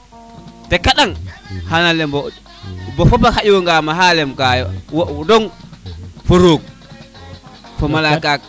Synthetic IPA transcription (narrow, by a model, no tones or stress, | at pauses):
tɛkaɗaŋhanalɛmbɔ | bɔfɔbahaʔiwɔŋɡamaɦalɛmkajɔwdɔn | foɾoːɡ̚ | fɔmalakak̚